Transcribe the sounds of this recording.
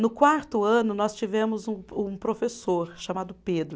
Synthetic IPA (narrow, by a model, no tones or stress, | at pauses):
nʊkwaɾt̪ʊɐ̃nʊnɔst͡ʃivẽmʊzũũpɾofesoɾʃamad̪ʊped̪ɾʊ